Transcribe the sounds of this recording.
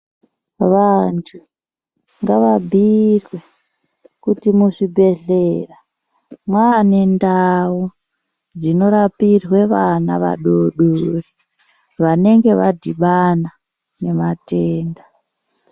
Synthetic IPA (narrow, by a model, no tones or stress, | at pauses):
ʋantʰu | ŋɡaʋabʱirwe | kutimuʂibʱe̞ɮeːra | mwanendau | d͡zino̞ɾapirwe̞ʋanaʋa̰ɗoɗori | ʋane̞ŋɡe̞ʋadʱiɓana | ne̞mateːnda